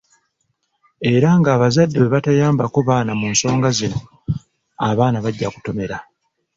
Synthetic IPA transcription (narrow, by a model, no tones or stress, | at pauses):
e̞ɾaŋɡaːβazadːeweβatajaːmbako̞βaːnamuːnso̞ːŋɡazino̞ | aβaːnaβaɟːaku̥to̞me̞ɾa